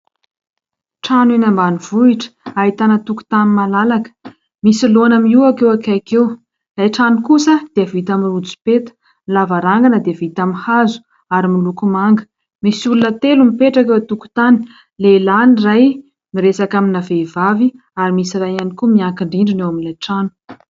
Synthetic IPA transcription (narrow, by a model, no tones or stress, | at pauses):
ʈ͡ʂanwenambaniv̥uiʈ͡ʂə̥aɦit̪anət̪uku̥t̪animalalakə̥ | misilonamiuakewakakew | lajʈ͡ʂanikusəd̪̥eəvit̪amirud͡zi̥pet̪ə̥ | lavaɾaŋɡanəd̪eəvit̪amihazu̥ | aɾimilukumaŋɡə̥ | misiulunət̪elumipeʈ͡ʂakewat̪uku̥t̪ani̥ | lelaniraj | miɾesakaminaveivavi | aɾimisirajanikumiaŋkiɳɖ͡ʐiɳɖ͡ʐinewamilajʈ͡ʂanu̥